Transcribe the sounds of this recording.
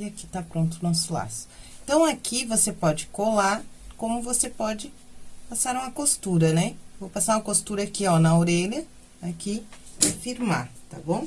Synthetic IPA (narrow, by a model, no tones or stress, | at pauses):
ɪaki̥t̪apɾõnt̪ʊnɔsʊla̰sʊ̥ẽt̪ɐ̃w̃akivosepɔd͡ʒɪkolaɾkõmʊvosepɔd͡ʒɪ | pasaɾũmɐkost̪uɾɐnɛvowpasaɾũmɐkost̪uɾɐakiɔnɐoɾeʎɐ | akifiɾma̰t̪a̰bõw̃